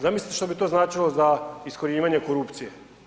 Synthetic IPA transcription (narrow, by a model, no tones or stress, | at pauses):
zamislit̪eʃt̪obit̪o̞ːznaːt͡ʃilˠo̞zaisko̞ɾiːʋaɲe̞ko̞ɾupt̪sije